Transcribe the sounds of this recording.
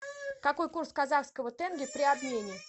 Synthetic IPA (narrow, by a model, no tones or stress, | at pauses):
kɐko̞jkurskazaxskəvət̪ɛnɡʲɪpɾʲɪabnʲenʲɪ